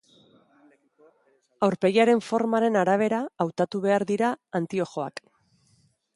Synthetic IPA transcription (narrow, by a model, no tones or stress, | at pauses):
awɾpe̞jaɾe̞ɱfo̞ɾmaɾe̞naɾaβ̞e̞ɾaːwt̪at̪uβe̞aɾðiɾaːnt̪io̞ʝo̞a̰k